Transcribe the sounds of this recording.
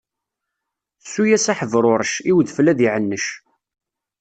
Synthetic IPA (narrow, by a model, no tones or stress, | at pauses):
sːujæsæħəvɾˤʊɾˤʃiwðflæðiʕənːəʃ